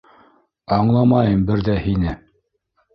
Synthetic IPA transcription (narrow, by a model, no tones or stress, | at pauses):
ɑɴlˠɑmɑjɤmbɘɾðæhinɘ